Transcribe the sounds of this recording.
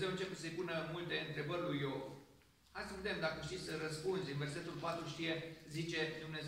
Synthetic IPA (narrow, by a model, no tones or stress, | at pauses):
zewɨnt͡ʃe̞pesəjpunəmult̪e̞ɨnt̪ɾe̞bərʲlujov | hat̪səved̪e̞md̪akəʃt̪isəɾəspunzʲɨnve̞rse̞t̪ulpat̪ɾuʃt̪ije̞zit͡ʃe̞d̪umne̞z